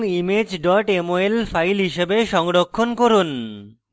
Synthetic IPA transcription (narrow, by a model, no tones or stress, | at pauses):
ŋimed͡ʑɖɔʈemoelfajlɦiʃebeʃɔŋɽokʰːonkoɾun